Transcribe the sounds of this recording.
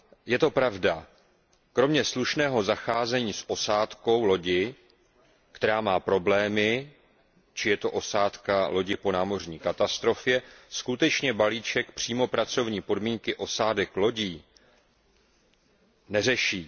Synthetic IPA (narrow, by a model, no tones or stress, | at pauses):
jɛt̪o̞pɾavda | kɾo̞mɲɛsluʃnɛːɦo̞zaxaːzɛɲiːsʔo̞saːt̪ko̞wlo̞ɟɪ | kt̪ɛɾaːmaːpɾo̞blɛːmɪ | t͡ʃɪjɛt̪o̞ʔo̞saːt̪kalo̞ɟɪpo̞naːmo̞r̝ɲiːkat̪ast̪ɾo̞fjɛskut̪ɛt͡ʃɲɛbaliːt͡ʃɛkpr̝̥iːmo̞pɾat͡so̞vɲiːpo̞dmiːŋkɪʔo̞saːdɛklo̞ɟiː | nɛrɛʃiː